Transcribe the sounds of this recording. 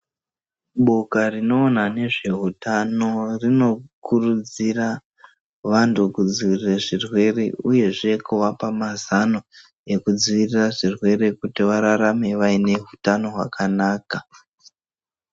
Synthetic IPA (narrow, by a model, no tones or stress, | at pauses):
ɓo̞karino̞ːnane̞ʐe̞ɦutano̞rino̞kʰurud͡zira | ʋandʰukud͡ziʋiriraʐirwe̞re̞uje̞ʐe̞kuʋapamazano̞ | e̞kud͡ziʋiriraʐirwe̞ɾe̞kutiʋaɾaɾame̞ʋaine̞ɦutano̞ɦwa̰kʰanaːka